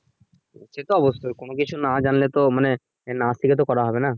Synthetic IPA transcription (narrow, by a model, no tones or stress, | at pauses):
ʃet̪oɔbost̪ʰokonokit͡ɕʰunad͡ʑanlet̪omane | nast̪ʰiket̪̬okɔɾaɦɔbena